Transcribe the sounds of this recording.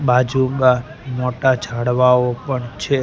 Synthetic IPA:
bad͡ʒuma | moʈad͡ʒʰʱaɽʋaopəɳt͡ʃʰe

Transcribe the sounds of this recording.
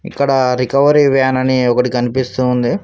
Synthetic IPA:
ḭkːɐɽɐɾikɐʋɐɾiʋaːnɐniɔkɐʈikɐnipist̪uːnd̪i

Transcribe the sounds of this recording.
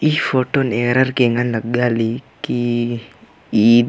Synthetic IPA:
ifoʈoneɾəɾkeŋɡanləɡːaliki | i

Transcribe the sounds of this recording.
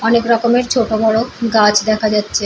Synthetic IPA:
ɔnekɾɔkomeɾt͡ɕʰoʈobɔɽoɡat͡ɕd̪ɛkʰad͡ʑatːɕʰe

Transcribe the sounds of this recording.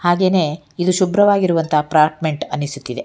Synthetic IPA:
haːɡe̞ːne̞ː | id̪uʃubɾɐʋaːɡiɾuʋɐnt̪ʰɐɦpɾaːɾʈme̞ɳʈɐnːisut̪ːid̪e̞

